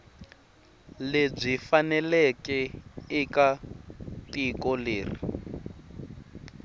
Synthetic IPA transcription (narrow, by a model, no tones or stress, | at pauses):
leb͡ʐifanɛlɛkɛika | tikɔleːri